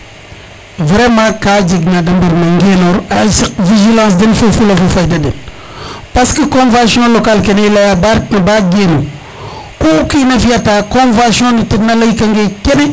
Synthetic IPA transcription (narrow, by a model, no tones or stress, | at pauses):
vɾemãkad͡ʒiɡnadambaɾnaŋɡenoɾasiviʒilãs̬denfufulafufajdaden | paskəkõnvãsiɔ̃lokalkeneilajabaɾtnabaɡeno | koːkinafiatakõnvãsiɔ̃nitidnalajkaŋɡekene